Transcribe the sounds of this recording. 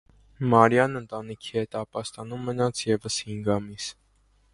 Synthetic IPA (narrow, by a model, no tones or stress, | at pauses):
mɑɾjɑnənt̪ɑnikʰihɛt̪ɑpɑst̪ɑnumːənɑt͡sʰjɛvəshiŋɡɑmis